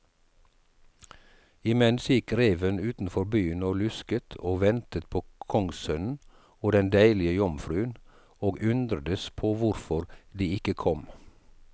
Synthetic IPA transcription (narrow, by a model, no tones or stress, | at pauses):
ɪmɛnsjɪkɾeːʋənʉːt̪n̩fɔɾbyːənoːlʉskət̪ʰoːʋɛnt̪ət̪̚pʰoːkʰɔŋsœnn̩ | oːd̪ɛnd̪æɪlɪəjɔmfɾʉːən | oːɡʔʉnd̪ɾəd̪əspʰoːʋʊɾfɔɾd̪iːɪkəkʰɔm